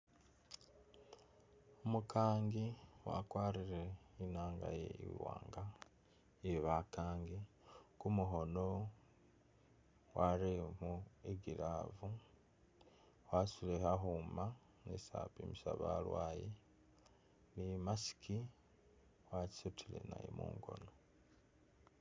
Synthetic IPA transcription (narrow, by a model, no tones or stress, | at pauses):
omukaːŋɡiwa̰kwaːɾiɾeinaːŋɡa̰jḛḭwa̰ːŋɡa | eβakaːŋɡi | kumuɦo̞no | waɾemuiɡiɾavu | wasulehaɦuːma | nesa̰pimisaβa̰lwaːje | nimasi̥kʰi | waci̥sutʰilḛna̰jimṵːŋɡo̞̰no